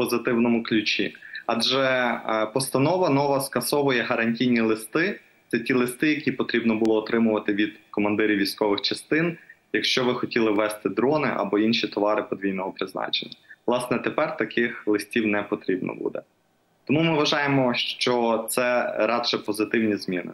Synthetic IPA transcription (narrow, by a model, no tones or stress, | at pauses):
pɔzɪt̪ɪwnɔmʊklʲʊt͡ʃʲḭɑdʒɛpɔst̪ɐnɔʋɐnɔʋɐskɐsɔʋʊjɛɦɐɾɐnʲtʲijnʲilˠɪst̪ɪ | t̪sɛtʲilˠɪst̪ɪjɐkʲipɔt̪ɾʲibnɔbʊlˠɔːt̪ɾɪmʊʋɐt̪ɪʋʲid̪̥kɔmɐnd̪ɪɾʲiwʋʲijsʲkɔʋɪxt͡ʃɐst̪ɪnjɐkʃt͡ʃɔʋɪxɔtʲilˠɪʋːɛst̪ɪd̪ɾɔnɪ̰ʔɐ̰bɔinʃit̪ɔʋɑɾɪpɔd̪ʋʲijnɔɦɔpɾɪznɑ̰t͡ʃḛnʲːɐʋlˠɑsnɛt̪epɛrt̪ɐkɪxlˠɪsʲtʲiwnɛpɔt̪ɾʲibnɔ̰bṵd̪ɛ̰ | t̪ɔmumɪʋɐʒɑjemɔʃt͡ʃɔt̪sɛɾɑd̪ʃɛpɔzɪt̪ɪwnʲizmʲinɪ̰